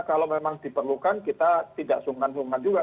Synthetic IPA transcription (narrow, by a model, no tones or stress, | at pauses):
kalamemaŋd̥i̤pərlukankit̪at̪idaʔsuŋansuŋand͡ʒuɡa